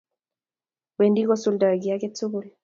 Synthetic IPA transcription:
we˨ndi˦kɔ˦su˦lda˨ɡi˨a˦kɛ˦t͡su˦ku˦l

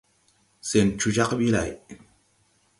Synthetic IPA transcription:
se˨nt͡ʃu˧d͡ʒa˦qɓi˦la̰˨j

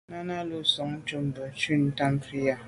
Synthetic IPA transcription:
na˦na˦˨lo˦sɔ˨ŋn̩˦t͡ʃo˦m̩˦bə˨t͡ʃi˦n̩˦ta˦m˦fi˦ja˦

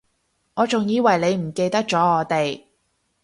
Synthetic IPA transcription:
ŋɔː˨˧t͡sʊ˨ŋjiː˨˧wɐ˨jle˨˧jm̩˨˩ke˧jt̪ɐ˥k̚t͡ʃɔː˨˥ŋɔː˨˧t̪e˨j

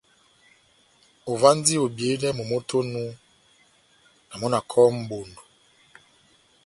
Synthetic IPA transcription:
o˨va˦n˦di˦o˨bje˨˦dɛ˦mo˨mo˦tʰo˦nu˦ | na˨mɔ˦na˨kʰɔ˦m̩˨˦bo˨ndo˨

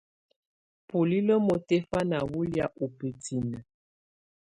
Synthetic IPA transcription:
pu˨li˦lə˦mo˨te˦fa˦na˨wu˦lja˨ʔu˨pə˨tʰi˨nə˨

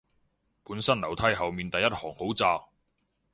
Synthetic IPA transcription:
puː˨˥nsɐ˥nlɐ˨˩wt̪ʰɐ˥jɦɐ˨wmiː˨nt̪ɐ˨jːɐ˥t̚hɔː˨˩ŋho˨˥wt͡saː˧

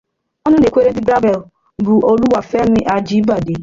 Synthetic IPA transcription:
ɔ˦nʊ˦ne˨kʷe˦ɾe˦n̩˦ɪ˦ɡɾa˦bɛ˨l | bʊ˨ʔo˦lu˦wa˨fɛ˦mɪ˦ʔa˨d͡ʒi˦ba˨de˨

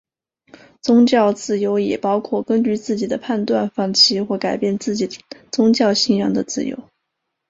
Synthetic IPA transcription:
t͡sʊ˥ŋt͡ɕjɑ˥˧ʊt͡sɹ̩˥˩jo˧˥ʊjɛ˨˩pɑ˥ʊkʰwɔ˥˩kə˥nt͡ɕy˥˧t͡sɹ̩˥˩t͡ɕi˨˩d̪ə˦pʰa˥˧nt̪wa˥˧nfɑ˥˩ŋt͡ɕʰi˥xwɔ˥˩ka˨˩ɪpjɛ˥˧nt͡sɹ̩˥˩t͡ɕi˨˩ət͡sʊ˥ŋt͡ɕjɑ˥˧ʊɕi˥˧njɑ̰˥˩ŋd̪ə˩t͡sɹ̩˥˩jo̰˧˥ʊ

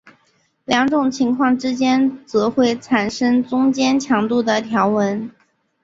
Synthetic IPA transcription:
ljɑ˧˥ŋʈ͡ʂʊ˨˩ŋt͡ɕʰi˧˥ŋkʰwɑ˥˩ŋʈ͡ʂɻ̩˥t͡ɕjɛ˥nt͡sɤ˧˥xwe˥˩ɪt͡sʰa˨˩nʂɤ˥ŋt͡sʊ˥ŋt͡ɕjɛ˥nt͡ɕʰjɑ˧˥ŋt̪u˥˩d̪ə˩t̪ʰjɑ˧˥ʊwə˧˥n

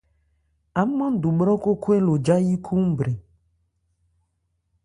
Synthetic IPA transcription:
a˨˦mã˦d̪u˨ɓɾɔ˦ko˦kʰo˦e˦lo˨d͡ʒa˦ji˦kʰu˦m˦bɾe˨

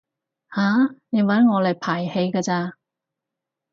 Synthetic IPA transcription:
haː˨˥nɪ˨˩wɐ˨˥nŋɔː˨˧le˨˩jpʰaː˨˩jhe˧jkaː˧t͡saː˧

